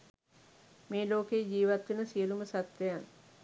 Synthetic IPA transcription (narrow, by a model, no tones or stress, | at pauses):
meːloːkejːd͡ʒiːʋat̪ʋinəsiəluməsat̪ʋejan